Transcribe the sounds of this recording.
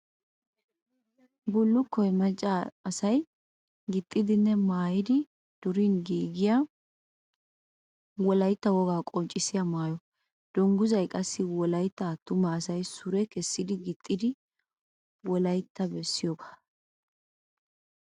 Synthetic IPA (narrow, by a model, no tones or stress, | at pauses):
bʊlːʊkːɔjmɐt͡ʃʼːaɐsɐj | ɡɪt̪ʼːɪd̪ɪnːɛmaːjɪd̪ɪ | d̪̥ʊɾiːnɡiːɡɪja | wɔlɐjt̪ːɐwɔɡaːkʼɔnt͡ʃʼːɪsɪjamaːjɔ | d̪̥ɔŋɡʊzɐjkʼɐsːɪwɔlɐjt̪ːɐt̪ːʊmɐːsɐjsʊɾɛkɛsːɪd̪ɪɡɪt̪ʼːɪd̪ɪ | wɔlɐjt̪ːɐbɛsːɪjɔɡḁ